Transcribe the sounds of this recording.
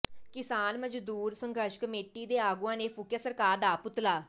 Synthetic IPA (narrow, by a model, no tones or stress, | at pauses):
kɪsaːnməd͡ʒd̪uːɾsəŋɡəɾʃkəmeːʈiːd̪eːaːɡũãːneːpʰʊkʰjaːsəɾkaːɾd̪aːpʊt̪laː